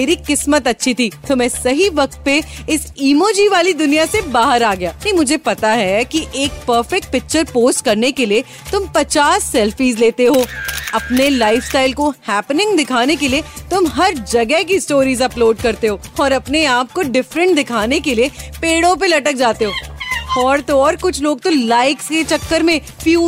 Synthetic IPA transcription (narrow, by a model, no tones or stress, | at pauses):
eːɾiqɪsmət̪ɐtːʃʰit̪ʰit̪ʊmẽsɐɦiʋɐk̚t̪̚peɪsiːmoːd͡ʒiʋaːlid̪ʊnijasebaːɦəɾaːɡɐjaːimʊd͡ʒʱepɐt̪aɦɛkiʔeːk̚pəːɾfɛk̚ʈ̚pɪk̚t͡ʃəɾpoːsʈkɐɾnekelie | t̪ʊmpɐt͡ʃaːsːɛːlfiːzleːt̪eɦoːɐpnelaːɪfsʈaːɪlkohɛːpnɪ̃ŋɡd̪ɪkʰaːnekeliet̪ʊmɦɐɾd͡ʒɐɡɛɦk̬isʈoːɾiːzɐploːɖkɐɾt̪eɦoːɔːɾɐpneaːp̚koɖɪfɾə̃ɳʈ̚d̪ɪkʰaːnekeliepeːɽõp̬elɐʈək̚d͡ʒaːt̪eɦoːɔːɾt̪oɔːɾkʊt͡ʃʰloːɡ̚t̪olaːɪksket͡ʃɐkːəɾmẽ | fjuː